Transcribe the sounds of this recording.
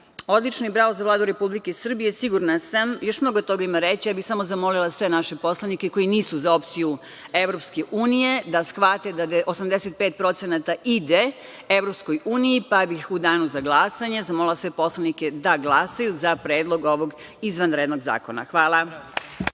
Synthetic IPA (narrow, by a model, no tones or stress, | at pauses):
o̞d̪lit͡ʃnibɾaozaʋlˠaːd̪uɾe̞publikeisr̩bije̞siɡuɾnasamjo̞ʃmno̞ɡot̪o̞ɡaimaɾet͡ɕijaːbixsamo̞zamo̞lilˠasʋe̞naʃepo̞slanikeko̞jiniːsuzao̞pt̪siju | e̞ʋɾo̞pske̞ʔuːnije̞d̪asxʋat̪ed̪ad̪eʔosamd̪eset̪̚pet̪̚pɾo̞t̪senat̪aʔid̪e | eʋɾopskojuːnijipabixud̪aːnuzaɡlˠasaɲe̞zamolilˠasʋe̞po̞slˠanike̞d̪aɡlˠasajuzapɾeːd̪lˠo̞ɡo̞ʋo̞ɡ | izʋanɾed̪no̞ɡza̰ːkona̰xʋaːla